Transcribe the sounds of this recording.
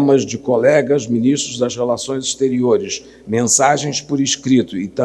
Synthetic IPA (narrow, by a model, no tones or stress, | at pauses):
mɐzd͡ʒɪkolɛɡɐzminiʃt̪ɾʊzd̪ɐzhelasõj̃ziʃt̪eɾioɾɪs | mẽsaʒẽj̃spoɾiʃkɾit̪ʊɪt̪ɐ̃